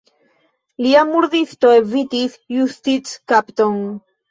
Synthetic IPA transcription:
liamuɾðist̪oevit̪isjust̪iskapt̪on

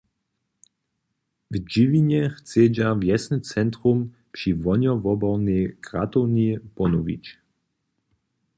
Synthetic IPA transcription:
vd͡ʑivʲiɲɛxt͡sɛd͡ʑavjɛsnɛt͡sɛnt̪ɾum | pʂivɔɲɔvɔbɔnɛkʁat̪ɔwnipɔnuvʲḭt͡ɕ

